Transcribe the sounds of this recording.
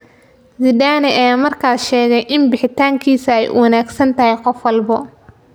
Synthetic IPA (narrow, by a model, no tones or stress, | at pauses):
zɪd̪aːnɛʔɛjamɐrkʰaːʃɛːɣɛjʔɪnbɪħɪt̪ʰaːŋkʰiːsɐɛj̰wɑnaːɡsɐnt̪ʰɐɦɛjqɔfwɑlbɔ